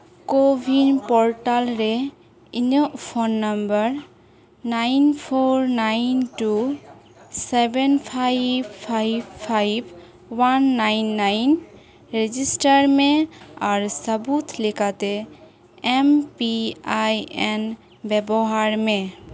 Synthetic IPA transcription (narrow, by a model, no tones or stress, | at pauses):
kobʱinpɔɹʈalɾe | iɲɔpʰonːəmbəɹ | najnpʰoɹnajnʈu | sebenpʰajbpʰajbpʰajb | wanːajnːajn | ɾed͡ʒisʈaɹmeaɹsəbut̪ʰlikat̪e | empiajen | bɛbɔɦaɹme